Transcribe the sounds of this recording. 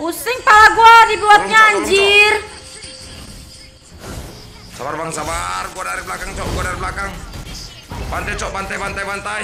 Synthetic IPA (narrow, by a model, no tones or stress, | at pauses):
kusiŋpalaɡuadibuat̪̚ɲaɲd͡ʒir | sabarbaŋsabarɡuadaɾiblakaŋt͡ʃɔʔɡuadaɾiblakaŋ | bant̪at͡ʃɔbant̪ajbant̪ajbant̪aj